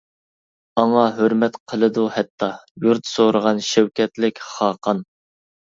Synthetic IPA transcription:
ɑŋɑɦøɾmɛt̪qʰəlˠɨd̪uhɛt̪ʰːɑjuɾt̪soɾəʁɑnʃɛwkʲɛt̪lɪkʲχɑːqʰɑn

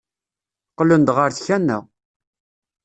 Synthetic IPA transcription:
qlənd̪ʁəɾθçænːæ̰

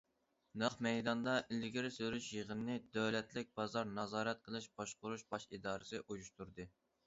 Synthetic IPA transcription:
nɑχmɛjd̪ɑnd̪ɑʔilɡʲiɾsøɾyʃjeʁənnɨd̪ɛwlɛt̪lɪk̚ʲbɑzɑɾnɑzɑːɾɛt̪̚qʰəlˠɨʃb̥ɑʃqʊɾuʃbɑʃid̪ɑːɾɨsɨʔujuʃt̪uɾd̪ɨ

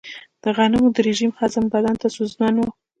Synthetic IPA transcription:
d̪̥əɣɑnɪmod̪əɾeʒimxazambad̪ant̪asoznɑnwo

